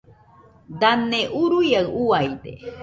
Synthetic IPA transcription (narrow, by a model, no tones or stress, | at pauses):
d̪aneʔuɾujaɰuajd̪e